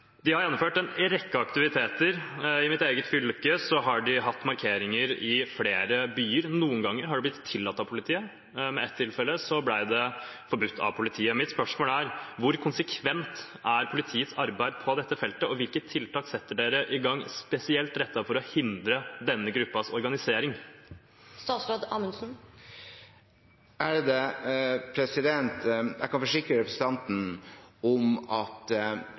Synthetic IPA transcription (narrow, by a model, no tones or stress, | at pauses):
d̪ɪhɑɾjɛnːɔmføːʈɛnɾɛkːɑɑkt̪ɪʋɪt̪ʰeːt̪əɾɪmɪt̪eːɡət̪fʏlkəsɔɦɑɖɪɦɑt̪ːmɑɾkʰeːɾɪŋəɾɪfleːɾəbyːəɾnuːənɡɑŋːəɾɦɑɖʉblɪt̪t̪ʰːɪlːɑt̪ːɑʋpʰʊlɪt̪ʰiːə | mɛɛt̪ʰːɪlfɛlːəsɔblæɪd̪ɛfɔɾbʉt̪ʰːɑ̰ʋpʰʊlɪt̪ʰiːəmɪt̪spœʂmoːlæɾʋʊɾkʰʊnsəkʰʋɛnt̪ | æɾpʰʊlɪt̪ʰiːət̪sɑɾbæɪd̪pʰɔd̪ɛt̪ːəfɛlt̪əɔʋɪlkət̪ʰːɪlt̪ʰɑːksɛt̪ːəɖeːɾəʔɪɡɑŋːspɛsɪɛlt̪ɾɛt̪ːɑfɔɾɔhɪnd̪ɾəd̪ɛnːəɡɾʉpːɑsɔɾɡɑnɪseːɾɪŋ | st̪ɑːt̪sɾod̪ɑ̰ːmənsn̩ | ʔæɖd̪ɛpʰɾɛsɪd̪ɛnt̪jæ̰ɪkɑnfɔʂɪkɾəɾɛpʰɾəs̩t̪ʰɑnt̪n̩ɔmɑt̪